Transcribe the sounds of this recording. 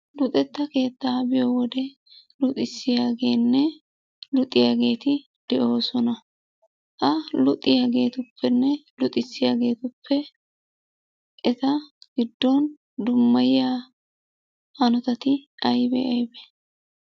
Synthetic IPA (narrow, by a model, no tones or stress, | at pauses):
lʊt̪ʼɛt̪ːɐke̞ːt̪ːabɪjowɔd̪ɛ | lʊt̪ʼɪsːɪjaːɡe̞ːnːɛ | lʊt̪ʼːɪjaːɡe̞ːt̪ɪ | d̪̥ɛʔo̞ːsɔnɐ | ʔɐlʊt̪ʼːɪjaːɡe̞ːt̪ʊpːɛnːɛlʊt̪ʼɪsːɪjaːɡe̞ːt̪ʊpʰːɛ | kʼɛt̪ɐɡ̥ɪd̪ːon | d̪ʊmːɐjɪjaː | hɐnɔt̪ɐt̪ɪɐjbɛ̰ʔɐjbɛ